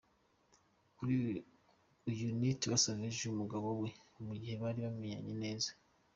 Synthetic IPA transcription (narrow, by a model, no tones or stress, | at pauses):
kuɾi | ujunitβasaβeʒumuɡaβo̞we̞umuɟihe̞βaːɾiβamijaɲene̞ːzḁ